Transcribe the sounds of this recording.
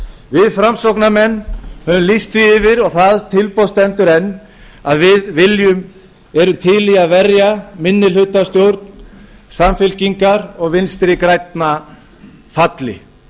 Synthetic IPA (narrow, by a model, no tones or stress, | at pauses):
vɪðfɾamsowknamɛnːhœvʏmlist̪viɪvɪɾɔɣθaðt̪ʰɪlpowst̪ɛnt̪ʏɾɛnː | aðvɪðvɪljʏm | ɛɾʏmt̪ʰɪlɪɣaðvɛrjamɪnːɪlʏt̪ast̪jowɾt̪n | samfɪl̥ciŋkaɾɔɣvɪnst̪ɾɪkɾajt̪na | fat̪lɪ̰